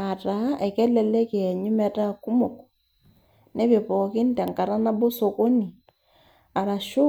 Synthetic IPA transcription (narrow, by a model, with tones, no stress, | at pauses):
a˨ta˨˦e˨kɛ˦lɛ˨lɛ˦ke˨ɲu˦mɛ˦ta˦˨ku˦mo˨k | ne˦βe˨pɔ˨ki˦n˦tɛ˨ŋka˨ɾa˦na˦bo˦so˨ko˦ni˨ | a˨ɾa˨ʃo˦